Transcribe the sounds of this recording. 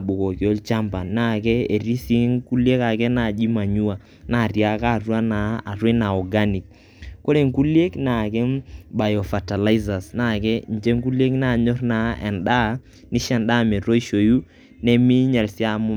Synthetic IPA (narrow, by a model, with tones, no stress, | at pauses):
ɓʊ˨kɔ˨ko˦lt͡ʃa˦mba˨na˦˨kɛ˦e˨ri˦si˦ŋku˦lje˦ka˨kɛ˦na˦˨d͡ʒi˦ma˨ɲu˦a˨ | na˦˨rja˨ka˦˨rwa˦na˨a˨ɾwe˦na˨ɔ˨ɡa˦ni˨k̚ | ko˦ɾe˨ŋ˦ku˦lje˦kna˨kɛ˦ba˨jɔ˨fa˨ta˨la˦i˦za˨sna˦˨kɛ˦n˨d͡ʒe˦ŋ˦ku˦lje˦kna˦˨ɲɔ˦ɾna˨ɛ̰˨nɗa˦ | nɪ˦ʃɛ˨nɗa˦˨mɛ˨ɾo˦i˦ʃo˨ju˦ | nɛ˦mi˦ɲɛ˨lsja˦mʊ˦